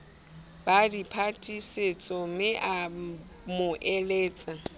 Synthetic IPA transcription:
b̥adipʰatʼiset͡sʼɔmɪʔa | mʊʔɛleːt͡sʼa

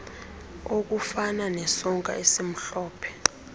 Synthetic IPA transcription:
ok̬ufananɛsɔŋkʼa̰esim̩ɬɔːpʰɛ̥

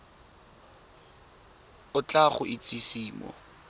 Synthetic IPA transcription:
ʊt͡ɬʼaχʊʔit͡sʼisiːmɔ̰

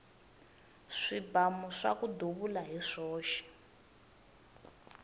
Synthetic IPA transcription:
ʂibamuʂa̰kuduβulaɦiʂɔːʃi̥

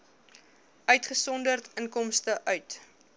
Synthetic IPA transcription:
œɥtχəsɔndərtəŋkɔmstəʔœɥt

